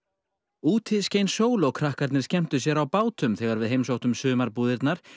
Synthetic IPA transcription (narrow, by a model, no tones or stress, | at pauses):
uːt̪ʰɪðscejnsoːwlowkʰɾahkaɾt̪nɪɾ̥scɛm̥t̪ʏs̬jɛɾawpaːwt̪ʏmθɛɣaɾvɪðɦejmsowht̪ʏmsʏːmaɾpuːðɪɾt̪naɾ̥